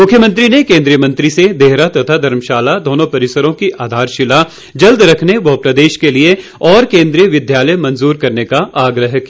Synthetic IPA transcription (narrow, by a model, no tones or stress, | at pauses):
mʊkʰjəmə̃nt̪ɾinekẽːnd̪ɾijəmɐ̃nt̪ɾised̪eːɦɾat̪ɐt̪ʰad̪ʱɐɾmʃaːlad̪oːnõpɐɾɪsəɾõkiʔaːd̪ʱaːɾʃɪla | d͡ʒɐld̪ɾɐkʰneʋɐɦpɾɐd̪eːʃkelieɔːɾkẽːnd̪ɾijəʋɪd̪jaːləjmɐ̃nzuːɾkɐɾnekaʔaːɡɾəɦki